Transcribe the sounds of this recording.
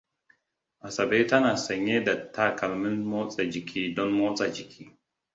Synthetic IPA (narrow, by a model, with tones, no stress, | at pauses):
a˨sa˨be˦ta˦na˨sɐ˨ɲe˦da˨tʰːa˦ka˨lmi˦nmo˦t͡sʼe˨d͡ʒi˨kʰi˨dɔ˦nmo˦t͡sʼa˨d͡ʒi˨kʰi˨